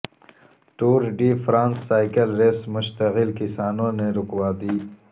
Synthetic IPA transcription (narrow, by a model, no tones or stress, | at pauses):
ʈuːɾɖiːfɾãːnsːaːjkəlɾeːsmʊʃt̪ɐɣɪlkisaːnoːneɾʊkwaːd̪iː